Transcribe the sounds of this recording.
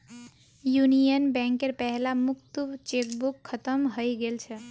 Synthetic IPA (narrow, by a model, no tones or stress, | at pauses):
junijənbɛ̃ŋkeɾpɛɦlamukt̪ubt͡ʃekbukʰːət̪əmɦojɡelt͡ʃʰɛ